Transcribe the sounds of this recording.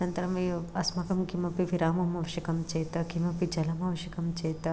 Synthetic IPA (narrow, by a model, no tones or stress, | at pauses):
ɐnt̪ɐɾɐmɐɐsmɐkɐmkimɐpiʋiɾaːmɐmɐʋɐʃɐkɐmt͡ʃeːt̪ɐkimɐpid͡ʒɐlɐmɐʋɐʃɐkɐmt͡ʃeːt̪ɐ